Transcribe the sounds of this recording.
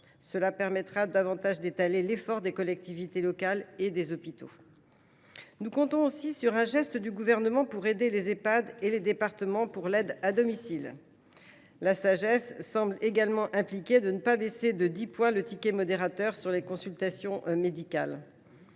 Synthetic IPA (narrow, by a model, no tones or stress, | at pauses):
səlapɛʁmɛt̪χad̪avɑ̃t̪aʒd̪et̪alelefɔʁd̪ekɔlɛk̚t̪ivit̪elɔkaled̪ezɔpit̪o | nukɔ̃t̪ɔ̃osisyʁɛ̃ʒɛst̪əd̪yɡuvɛʁnəmɑ̃puʁed̪elezepad̪eled̪epaʁt̪əmɑ̃puʁlɛd̪ad̪ɔmisil | lasaʒɛsːɑ̃bleɡalmɑ̃ʔɛ̃plikʲed̪ənəpabesed̪əd̪ipwɛ̃lət̪ikʲemɔd̪eʁat̪œʁsyʁlekɔ̃sylt̪asjɔ̃ʔmed̪ikʲal